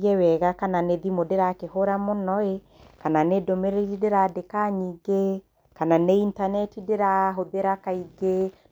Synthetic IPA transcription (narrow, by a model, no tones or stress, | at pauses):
ɛwɛɣakananeðimodeɾakehoɾamonɔe | kananedomeɾeɾideɾadekaɲiɡe | kananeintanɛtideɾaɦoðeɾakaiɡe